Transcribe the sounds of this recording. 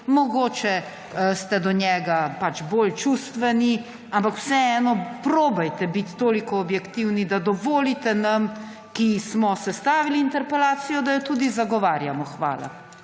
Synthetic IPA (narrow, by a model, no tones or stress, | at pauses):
mɔɡoːt͡ʃɛ | st̪ɛd̪ɔɲjɛːɡapat͡ʃbolt͡ʃust̪ʋɛni | ampakw̥sɛɛːnɔpɾoːbajt̪ɛbit̪ːoːlikɔːbjɛkt̪iwnid̪ad̪ɔʋɔːlit̪ɛnam | kismɔsɛst̪aːʋiliːnt̪ɛɾpɛlaːt̪sijɔd̪ajɔt̪uːd̪izaɡɔʋaːɾjamɔxʋa̰ːla̰